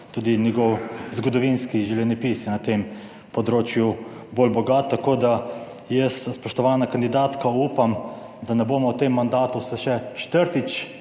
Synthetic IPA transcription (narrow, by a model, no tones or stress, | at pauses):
t̪uːd̪injɛɡɔwzɡɔd̪ɔʋinskiʒɛwljɛnɛpiːsɛnat̪em | pɔd̪ɾoːt͡ʃju | bolbɔɡaːt̪ːakoːd̪a | jəsspɔʃt̪ɔʋaːnakand̪id̪aːt̪kauːpam | d̪anɛboːmɔwt̪emːand̪aːt̪usɛʃɛt͡ʃt̪əɾt̪it͡ʃ